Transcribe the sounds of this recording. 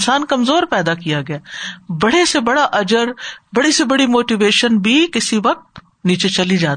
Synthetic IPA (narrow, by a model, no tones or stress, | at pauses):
saːnkɐmzoːɾpɛːd̪akijaɡɐjaːbɐɽesebɐɽaʔɐd͡ʒəɾbɐɽisebɐɽimoːʈiʋeːʃənbʱiːkɪsiʋɐk̚t̪ | niːt͡ʃet͡ʃɐlid͡ʒaːt̪iː